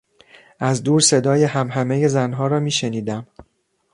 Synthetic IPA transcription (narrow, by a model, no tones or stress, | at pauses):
ʔæzd̪uːɾse̞d̪ɒːje̞ɦæmɦæme̞je̞zænɦɒːɾɒːmiːʃe̞niːd̪æm